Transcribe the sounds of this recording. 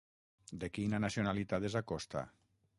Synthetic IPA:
d̪ekinanasjonalit̪at̪ezakɔst̪a̰

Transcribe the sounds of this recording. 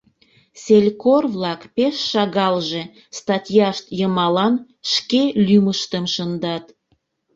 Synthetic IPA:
selʲkorβlɑkpeʃːɑɣɑlʒe̽ | st̪ɑtʲjɑʃt̪jəmɑlɑn | ʃkelyməʃt̪əmʃənd̪ɑt̪

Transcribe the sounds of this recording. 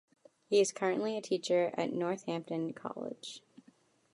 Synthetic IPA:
hiɨz̥kʰɜ˞ɨ̃nʔliɨtʰit͡ʃə˞ɨ̰tⁿnɔɹθhæ̃mp̚tɨ̃nkʰɑ̰lˠɪ̰d̥ʒ̥

